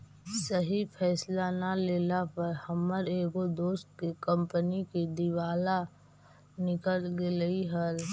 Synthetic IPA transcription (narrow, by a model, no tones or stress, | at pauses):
səɦipʰɛːslanaleːlapəɾhəmːəɾeːɡod̪oːst̪̚kekə̃mpənikid̪iwaːla | nɪkəlɡeliɦəl